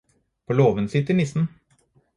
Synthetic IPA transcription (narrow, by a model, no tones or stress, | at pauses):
pʰoloːʋənsɪt̪ːɪnɪsn̩